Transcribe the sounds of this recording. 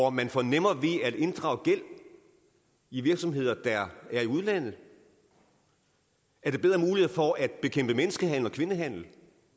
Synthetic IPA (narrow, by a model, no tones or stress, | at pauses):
ɒmænfɒnem̰ɐʋe̝æd̥e̝nd̥ʁɑ̈ʊəɡ̥el̰ | iʋiɐɡ̥sɒ̽mɦe̝ð̞̰ˠɐd̥ɑæɐiuðˠlæn̰ð̩ˠ | æɐdɾ̥ebeð̞ˠʁɐmuːlihe̝̰fɒæd̥b̥e̝kʰem̰b̥əmenəsɡ̥əɦæn̰l̩ɒ̽kʰʋe̝nəɦæn̰l̩